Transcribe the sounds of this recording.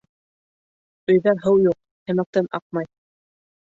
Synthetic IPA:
ɵ̆jðæɦɤwjuq̚ | hɘ̆mæk̚t̪ɘnɑq̚mɑj

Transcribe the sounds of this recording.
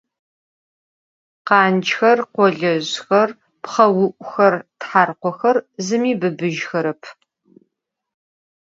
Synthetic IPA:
qɑːnt͡ʃxɐrqʷɔɮɐʑxɐr | pχɐwʊʔʷʼʊxɐrtħaːrqʷɔxɐrzɨmiːbɨbɨʒxɐɾɐpʰ

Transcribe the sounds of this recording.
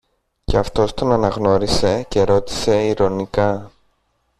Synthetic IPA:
ce̞ɐft̪o̞st̪o̞nɐnɐɣno̞ɾise̞ce̞ɾo̞t̪i̥se̞iɾo̞nikɐ

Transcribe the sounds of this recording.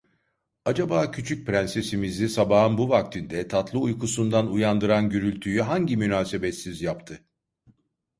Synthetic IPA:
ad͡ʒabaːcʰyt͡ʃʰyc̚pɾænse̞simizisabaɦɯnbuvak̚t̪ʰind̪ɛt̪ʰat̪lˠɯujkusund̪anujand̪ɯɾanɟyɾylʲt̪ʰyjyɦaɲɟimynaːse̞bet̪sizjapt̪ʰɯ

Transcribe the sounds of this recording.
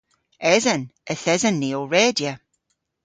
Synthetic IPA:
ɛzənəθɛzənːiːoɹeːdjə

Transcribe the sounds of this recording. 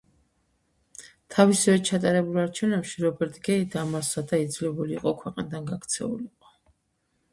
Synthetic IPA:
t̪ʰavisɛvɛt͡ʃʰat̪ʼaɾɛbulˠaɾt͡ʃʰɛvnɛpʃiɾɔbɛɾt̪ʰʼɡɛid̪amasad̪aid̪zlɛbuliːqʼɔkʰwɛqʼnd̪anɡakt̪sʰɛ̰ṵliqʼɔ̥

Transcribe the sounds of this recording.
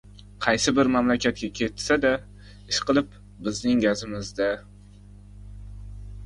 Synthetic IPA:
qʰɑjsɪbɪɾmamlakʲʰat̪̚kʲakʲʰe̞t̪sad̪a | ɪʃqɨlˠɪp | bɪznɪŋɡʲazɪmɪzd̪a

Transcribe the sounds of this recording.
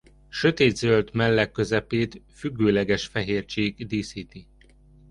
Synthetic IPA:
ʃø̞t̪eːd̪zølt̪mɛlːɛkːø̞zɛpeːt̪fyɡːøːlɛɡɛʃfɛɦeːrt͡ʃeːɡd̪iːsit̪i

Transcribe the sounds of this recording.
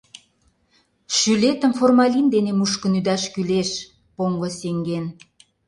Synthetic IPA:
ʃylet̪ə̆mformɑlind̪enemuʃkənyd̪ɑʃkyleʃ | poŋɡoseŋɡen

